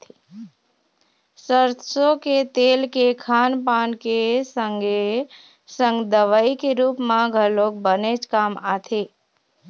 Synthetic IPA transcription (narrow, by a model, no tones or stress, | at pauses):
t̪ː | səɾt̪ʰsoket̪eːlkekʰaːnpaːnkesəŋɡe | sə̃ŋɡd̪əʋaikeɾuːpmãɡʱəloːk̚bənet͡ʃkaːmaːt̪ʰeː